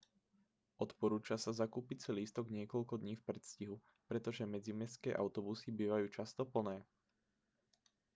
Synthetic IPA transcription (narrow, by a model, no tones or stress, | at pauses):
ʔɔt̪pɔɾuːt͡ʃasazakuːpit͡siliːst̪ɔɡɲɪɛkɔʎkɔd̪ɲiːfpɾɛt̪sciɦu | pɾɛt̪ɔʒɛmɛd͡zimɛskɛːʔa̰ʊt̪ɔbusibiːʋajuːt͡ʃast̪ɔpl̩nɛː